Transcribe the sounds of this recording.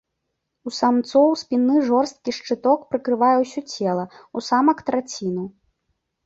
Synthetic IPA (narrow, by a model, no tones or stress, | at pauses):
usamt̪sɔwspʲinːɨʐɔrst̪̚kʲiʂt͡ʂɨt̪ɔkpɾɨkɾɨvajɛwsʲɔt͡sʲɛlˠɐusamɐkt̪ɾat͡sʲinu